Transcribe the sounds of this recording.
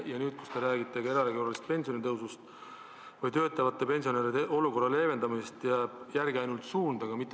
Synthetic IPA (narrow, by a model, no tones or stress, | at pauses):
jɑnyːd̪̥̚ku̥st̪eɾæːɡit̪ːˑeɡe̞ɾɑɾeɡoɾɑlist̪̚pe̞nʲsio̞nit̪ɤwsust̪ | vɤjt̪øːt̪ːˑɑvɑt̪ːˑe̞pe̞nʲsio̞ne̞ɾid̪eʔo̞luko̞rːɑle̞ːve̞nd̪ɑmist̪jɑjærɡ̥iɑjnult̪suːnd̪̥ɑɡ̥ɑmit̪ːˑ